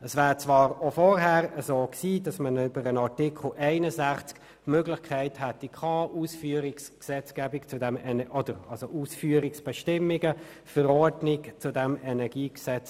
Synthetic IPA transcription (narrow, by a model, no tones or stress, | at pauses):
əsvæːɾt͡svɑːɾofɔɾɦæːɾəzoːksiːdɑsmənʏbəɾənɑʁtɪkʰχl̩ʔɛɪnəzæχt͡sk | møɡlɪχkʰæɪthætikʰɑːʔuːsfyːɾɪksksɛt͡sɡ̥ɛbɪkt͡sudɛmɛnɔdəɾɑlsoʔuːsfyːəɾɪksb̥ɛʃtɪmːɪɡə | fəɾɔɾdnɪkt͡sudɛmɛnɛɡiːksɛt͡s